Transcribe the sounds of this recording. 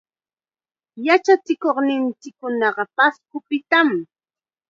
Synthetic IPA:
jat͡ʃat͡sɪkoχnɪnt͡ʃɪkːʊnɑɢɑpaskʊpɪt̪am

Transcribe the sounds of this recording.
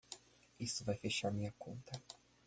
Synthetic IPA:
ist̪ʊvajfeʃaɾmĩɲɐkõnt̪ɐ

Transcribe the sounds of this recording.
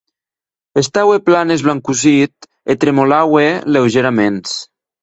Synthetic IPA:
est̪aweplanezβlaŋkuzit̪ | et̪ɾemolawelewʒeɾamens

